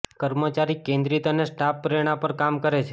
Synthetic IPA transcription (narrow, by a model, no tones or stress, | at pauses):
kəɾmət͡ʃaɾikẽnd̪ɾit̪ənesʈapːɾeɽ̃apəɾkamkəɾet͡ʃʰe